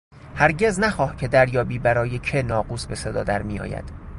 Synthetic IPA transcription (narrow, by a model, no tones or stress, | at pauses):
hæɾɟe̞znæxɒːhcʰe̞d̪æɾjɒːbiːbæɾɒːjecʰenɒːɢuːsbe̞se̞d̪ɒ̰ːd̪æɾmijɒ̰ːjæ̰d̪̥